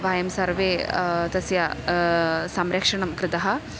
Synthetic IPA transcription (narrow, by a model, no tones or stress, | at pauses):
ʋaːjɐmsɐɾʋeːt̪ɐsjɐ | sɐmɾɐkʂɐɳɐmkɾɪt̪ɐɦɐ̆